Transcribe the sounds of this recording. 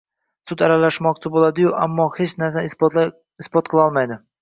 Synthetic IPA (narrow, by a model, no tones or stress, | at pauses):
sʊd̪aɾalaʃmɒqt͡ʃʰɪbolˠad̪ɪjʊʔa̰mːɒhet͡ʃnaɾsa | ɪspɒt̪qʰɨlˠɒlˠmajd̪ɪ